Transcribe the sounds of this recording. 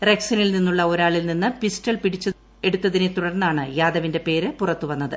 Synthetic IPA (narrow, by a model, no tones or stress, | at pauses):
reksɐnilninːuɭːɐo̞ɾaːɭilninːɨpistɐɭpiɽit͡ɕːɐ | eɽut̪ːɐðinet̪uɽɐrnːaːɳɨjaːd̪ɐʋinde̞pe̞ːɾɨpurɐt̪ːuʋɐnːɐðɨ